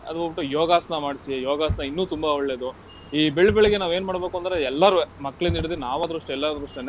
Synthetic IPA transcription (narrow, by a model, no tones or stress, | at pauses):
ɐ̰d̪ubobiʈːujɔːɡaːsnɐmaːɽisijɔːɡaːsnɐinːuːt̪umbaɔɭːeːd̪u | iːbeɭːbɛɭiɡenaːʋeːnmaːɽbekuɐnd̪ɐɾeɛlːaɾumɐkːɐɭiniɽid̪enaːʋaːd̪ɾuɐʂʈuɛlːad̪ɾɐʂʈ̪ene